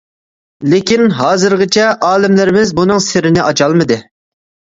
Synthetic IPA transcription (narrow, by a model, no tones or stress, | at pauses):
lekʲinɦɑːzɨɾʁɨt͡ʃʰɛʔɑːlɪmlɪɾɪmɪzbunɨŋsɪɾɪnɪʔɑt͡ʃʰɑlˠmɨd̪ɨ